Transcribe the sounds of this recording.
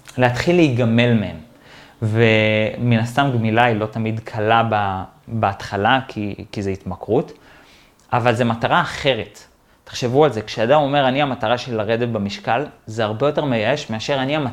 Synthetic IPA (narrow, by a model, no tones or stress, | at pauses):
leat̪χilːeiɡame̞lme̞em | ve̞minast̪amɡmilailo̞tamidkʰalaba | beat̪χalakʰikizeitmakʁut | avalze̞mataʁaːχe̞ʁe̞tː | e̥χʃe̞vualze̞kʃeadamo̞me̞ʁaniamataʁaʃelilaʁe̞detbamiʃkalzeaʁbe̞jo̞te̞ʁmejaeʃme̞aʃe̞ʁaniama